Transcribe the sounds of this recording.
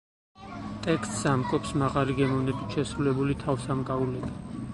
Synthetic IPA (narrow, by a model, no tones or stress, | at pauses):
t̪ʼɛkst̪ʼsamkʼɔpsmaʁaliɡɛmɔvnɛbit̪ʃɛsɾulɛbulit̪ʰavsamkʼaulɛbi